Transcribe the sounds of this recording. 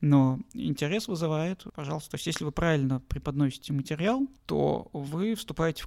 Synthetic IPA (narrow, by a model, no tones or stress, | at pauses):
noɪ̰nʲtʲɪɾʲe̞svɨzɨvajɪt̪pɐʐɑlˠst̪ət̪osʲtʲjesʲlʲɪvɨpɾavʲɪlʲnəpɾʲɪpɐd̪nosʲɪ̥tʲɪmətʲɪɾʲɪalˠt̪o̰vɨfst̪ʊpajɪtʲɪf